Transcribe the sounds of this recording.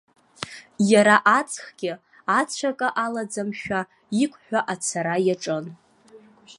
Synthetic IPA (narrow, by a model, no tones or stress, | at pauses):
jaɾaʔat͡sʰʼχɡʲɪ | at͡sʷʰakʼaʔalad͡zamʃᶣa | ikʷʰʼħʷᶣaʔat͡sʰaɾajaʈ͡ʂʼɨn